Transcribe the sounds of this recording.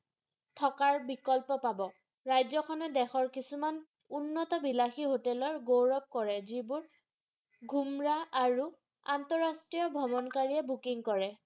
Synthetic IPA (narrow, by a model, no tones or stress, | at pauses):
tʰɔkaɹbikɔlpɔpabɔ | ɹajzɔkʰɔnɛdɛxɔɹkisuman | unːɔtɔbilaxiɦotɛlɔɹɡowɹɔp̚kɔɹɛzibʊɹ | ɡʱumɹaaɹu | antɔɹastɹijɔbʱɔbɔnkaɹiɛbukiŋkɔɹɛ